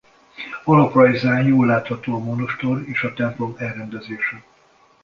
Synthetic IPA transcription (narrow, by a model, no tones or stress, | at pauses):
olokrɒjzaːnjoːlːaːt̪hɒt̪oːɒmonoʃt̪oɾeːʃɒt̪ɛmplo̞mɛlrɛnd̪ɛzeːʃɛ